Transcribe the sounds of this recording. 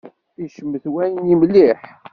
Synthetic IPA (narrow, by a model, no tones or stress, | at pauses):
iʃəmːəθwæjnjimlːiħ